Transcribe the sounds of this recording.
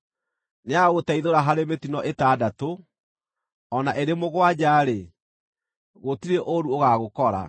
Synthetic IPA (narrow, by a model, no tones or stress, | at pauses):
neaɣotaiðoɾaɦaɾemetinɔʔetadato | ɔnaʔeɾemoɣwad͡ʑaːɾe | ɣotiɾeʔoɾuoɣaɣokɔɾa̰